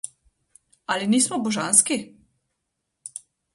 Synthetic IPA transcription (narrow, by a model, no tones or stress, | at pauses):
aliniːsmɔbɔʒanski